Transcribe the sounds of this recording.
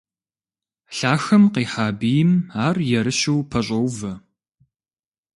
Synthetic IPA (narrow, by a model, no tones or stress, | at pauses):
ɬaːxɐmqiːħaːbijɪmaːrjɛɾɨɕuwpʰɐɕ̬ʼɐwvɐ